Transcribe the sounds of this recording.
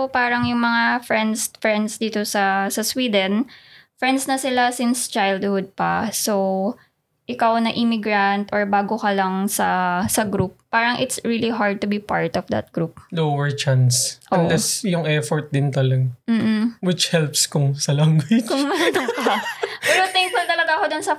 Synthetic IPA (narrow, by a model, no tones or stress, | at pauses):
paːɾɐŋjʊŋmɐŋafɹɛnd̪sfɹɛnd̪sd̪iːt̪osɐsɐswiːd̪ɛnfɹɛnd̪snɐsɪlasɪnst͡ʃajld̪̚hʊd̪̚pɐsow | ʔɪkawnɐʔɪmɪɡɹɐnt̪ʔɔɹbaːɡokɐlɐŋsɐsɐɡɾup̚ːaːɾɐŋʔɪt̪sɹiliɦaɹd̪̚t̪ʊbipaɹt̪ɔvd̪ɐ̰t̪̚ɡ̥ɾup̚lowɛɹt͡ʃansʔoɐnlɛsjʊŋʔɛfɔɹt̪̚d̪ɪnt̪ɐlɐɡm̩ːm̩wɪt͡ʃhɛlpskʊŋsɐlaŋɡɐt͡ʃkʊmɐnat̪ʊŋpɐpɛɾot̪ɛŋkfʊlt̪ɐlɐɡaɐkod̪ʊnsɐ